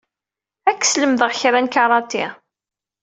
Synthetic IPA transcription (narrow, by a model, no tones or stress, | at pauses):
ækːsləmðəʁçɾænkɑɾˤɑt̪ːḭ